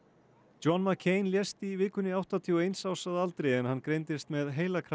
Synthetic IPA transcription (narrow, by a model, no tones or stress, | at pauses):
t͡ʃɔnmakʰeːjnljɛst̪ivɪkʏnːɪawht̪ant̪ʰiɔejnsaːwsaðalt̪ɾejɛnhanːkɾejnt̪ɪst̪mɛðɦeːjlakʰɾa